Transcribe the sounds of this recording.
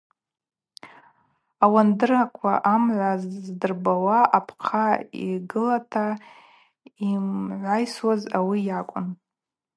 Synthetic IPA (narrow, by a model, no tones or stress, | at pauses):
awandɨrakʷʰa̰ʔamʕʷazzdɨrbawaʔapʰqʰaḭɡɨlatʰa | imʕʷajswazawijakʷʼʊ̰n